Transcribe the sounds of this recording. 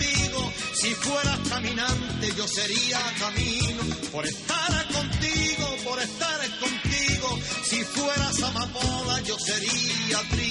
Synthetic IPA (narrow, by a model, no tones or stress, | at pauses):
iɣo | sifwe̞ɾaskamĩnãnt̪e̞ʝo̞se̞ɾiakamĩnopo̞ɾest̪aɾako̞nt̪iɣo̞po̞ɾe̞st̪aɾeko̞nt̪iɣo̞sifwe̞ɾasamamoðaʝo̞se̞ɾiat̪ɾi